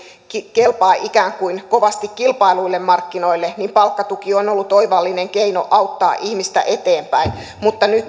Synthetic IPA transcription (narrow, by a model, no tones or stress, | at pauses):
kelpɑːʔikæːŋkuinkoʋɑst̪ikkilpɑiluilːemmɑrkːinoilːenimpɑlkːɑt̪ukionolːut̪oiʋɑlːineŋkeino̰ʔɑuwt̪ːɑːʔihmist̪æ̰ʔet̪eːmpæin | mut̪ːɑny